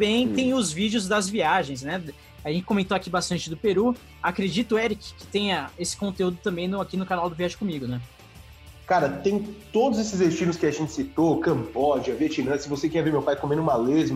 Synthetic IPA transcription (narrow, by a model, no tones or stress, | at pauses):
bẽj̃t̪ẽj̃ʊzvid͡ʒʊzd̪ɐzviaʒẽj̃s̬nɛ | aʒẽt͡ʃɪ̥komẽnt̪oakibast̪ɐ̃nt͡ʃɪd̪ʊpeɾu | akɾed͡ʒit̪ʊɛɾikɪ̥kɪ̥t̪ẽj̃ɐesɪ̥kõnt̪eud̪ʊt̪ɐ̃mbẽj̃nʊakinʊkanawd̪ʊviaʒɪ̃kõmiɡʊnɛ | kaɾɐt̪ẽj̃t̪od̪ʊzesɪzd̪est͡ʃĩnʊskɪaʒẽnt͡ʃɪ̥sit̪okɐ̃mbɔd͡ʒɪɐviɐt͡ʃinɐ̃sɪvosekẽɐveɾmewpajkõmẽnʊũmalezmɐ